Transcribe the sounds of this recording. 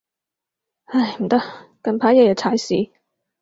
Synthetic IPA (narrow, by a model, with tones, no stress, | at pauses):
ɐ˥˧˩jm̩˨˩t̪ɐ˥kɐ˧npʰaː˨˥jɛː˨˧jɛ˨˩t͡sʰaː˨˥jsiː˨˥